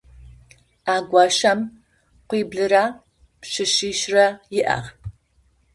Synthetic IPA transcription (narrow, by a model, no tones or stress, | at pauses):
aːɡʷɑːɕɐm | qʷiːbɮɨɾaː | pɕɨɕiːʃrɐjɪʔɐ̰ʁ